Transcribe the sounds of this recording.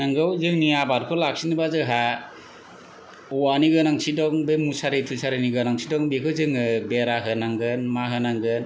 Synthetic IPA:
naŋɡɯwzɯŋniabaɾkʰɔlak̚sinibazɯɦa | ɔwaniɡɯnaŋsidɔŋbemusaɾetʰusʰaɾɯniɡɯnaŋsʰidɔŋbekʰɯzɯŋɯbeɾaɦɯnaŋɡɯnmaɦɯnaŋɡɯn

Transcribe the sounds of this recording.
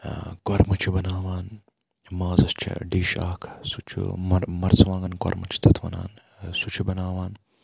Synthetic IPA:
kwɐɾmut͡ʃʰibɐnaːʋaːn | maːzɐst͡ʃʰḭɖiːʃaːkʰsut͡ʃʰṵmɐmɐɾsʋãːŋɡɐnkɐ̰ɾmɐt͡ʃʰi̥t̪ʰɐt̪ʰʋɐ̰na̰ːn | sut͡ʃʰibɐnaːʋaːn

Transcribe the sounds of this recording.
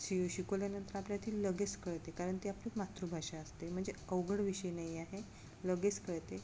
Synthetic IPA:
sioɕikoljanənt̪əɾapljat̪ʰiːlləɡet͡skəɭt̪ekaɾəɳt̪eaplimat̪ɾubʱaʂaəst̪em̤əɳd͡zeəʋɡəɽʋiɕəjnajaɦe | ləɡet͡skəɭt̪e

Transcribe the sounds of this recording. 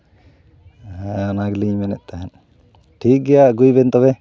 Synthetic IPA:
ɛɔnaɡliɲmɛnɛʔ̪̚ˀt̪aɦɛn | ʈʰik̚ɡɛjaʔɡujbɛnt̪ɔβɛ

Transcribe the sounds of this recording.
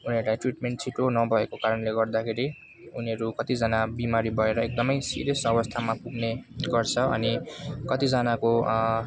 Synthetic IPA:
uniʌɾulajʈriʈmeɳʈt͡sʰiʈonʌbʱʌekokaɾʌnleɡʌrd̪akʰeɾi | uniʌɾukʌt̪id͡zʌnabimaɾibʱʌeɾʌek̚d̪ʌmʌjsḭɾjʌsʌbʌst̪ʰamapuɡneɡʌrt͡sʰʌʌ̰nikʌt̪id͡zʌnako

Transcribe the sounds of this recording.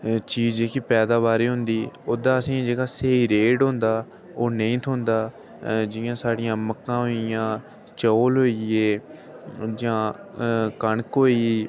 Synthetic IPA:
t͡ʃiːzeːkiːpɛːd̪aːβaːɾiːɦʊ̃nd̪iːoːd̪ãːəsĩːd͡ʒeːɡaːseːiːɾeːɖɦʊ̃nd̪aː | oːnəĩːt̪ʰoːnd̪aː | d͡ʒɪjãːsaːɽɪjãːməkːãːɦoːijãː | t͡ʃoːlɦoːieː | d͡ʒãː | kəɳkɦoːi

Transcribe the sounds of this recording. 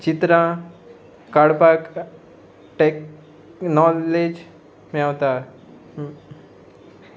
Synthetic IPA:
t͡ɕit̪ɾã | kaɽpak | ʈek | nɔled͡ʑ | mawt̪a

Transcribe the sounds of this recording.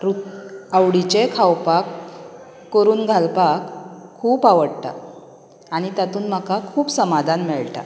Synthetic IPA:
ɾuəwɽit͡ɕekʰawpakː | əɾuːnɡʱalpakʰːuːpaʋəɽʈ̪a̰ | aɽ̃it̪at̪uːnməkakʰuːpsəmad̪ʱanmɛɭʈa̰

